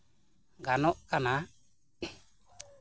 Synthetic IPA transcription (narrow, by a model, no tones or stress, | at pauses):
ɡanɔʔkana